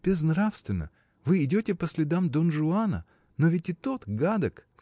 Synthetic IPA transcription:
b̥ʲɪznɾafst̪vʲɪnːə̰ | vɨɪdʲotʲɪpəsʲlʲɪd̪amd̪onʐʊanə̰ | novʲɪtʲɪt̪o̞t̪ɡad̪ək

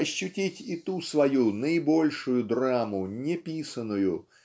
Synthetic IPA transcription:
ɐɕːʊtʲitʲɪt̪usvɐjunəɪbo̞lʲʂʊjʊd̪ramʊnʲɪpʲisənːʊjʊ

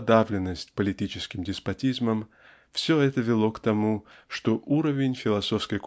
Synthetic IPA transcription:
d̪avlʲɪnːəsʲtʲpəlʲɪtʲit͡ɕɪskʲɪmdʲɪspɐtʲizməm | fsʲɵɛt̪əvʲɪlˠo̞kt̪ɐmuʂt̪oʔuɾəvʲɪnʲfʲɪlˠɐso̞fskəjk

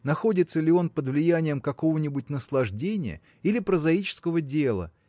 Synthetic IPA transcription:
nɐxo̞dʲɪt̪səlʲɪo̞npəd̪vlʲɪjænʲɪjəmkɐko̞vənʲɪbʊtʲnəslˠɐʐdʲenʲɪjə̰ | ilʲɪpɾəzɐit͡ɕɪ̥skəvədʲe̞lˠə̰

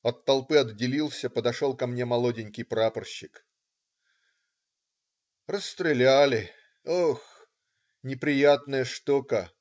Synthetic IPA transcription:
ɐt̪ːɐlˠpɨɐd̪ːʲɪlʲilˠsʲəpəd̪ɐʂo̞lˠkɐmnʲe̞mɐlˠodʲɪnʲkʲɪjpɾapərɕːɪk | rəsːt̪ɾʲɪlʲælʲɪ | ox | nʲɪpɾʲɪjat̪nəjəʂt̪okə

